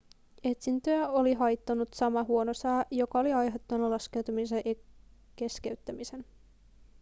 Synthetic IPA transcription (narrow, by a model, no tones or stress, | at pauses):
e̞t̪sint̪øjæo̞liɦɑjt̪ːɑnut̪sɑmɑɦuo̞nosæːjo̞kɑo̞liɑjɦet̪ːonːɑlɑske̞wt̪umis̬eʔ | ke̞ske̞yt̪ːæmise̞n